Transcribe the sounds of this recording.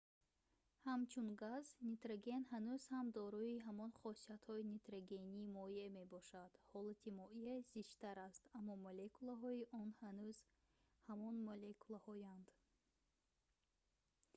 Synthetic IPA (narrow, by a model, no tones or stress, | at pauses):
hamt͡ʃʰunɡaznit̪ɾaɡe̞nhanuz̥hamd̪ɔɾuiɦamɔnχɔsiat̪hɔinit̪ɾaɡeniːmɔjieme̞bɔʃad̪̥hɔlat̪ʰimɔieziʃt̪aɾast̪amːɔmolekulaɦɔiʔɔnhanuz̥ | hamɔnmolekʰulahɔjand̪̥